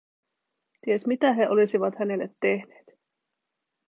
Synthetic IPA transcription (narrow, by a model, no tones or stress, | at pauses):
t̪iesmit̪æɦe̞ʔo̞lisiʋɑt̪hæne̞lːet̪ːehne̥ːt̪